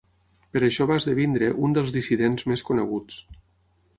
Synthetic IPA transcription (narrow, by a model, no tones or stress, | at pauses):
pəɾəʃɔβazðəβind̪ɾəʔund̪əlˠzðisiðenzmeskunəɣ̞ut͡s